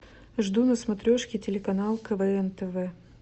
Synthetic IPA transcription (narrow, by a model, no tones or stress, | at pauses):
ʐd̪unəsmɐt̪ɾʲoʂkʲɪtʲɪlʲɪkɐnalˠkəvɛɛnt̪əvɛ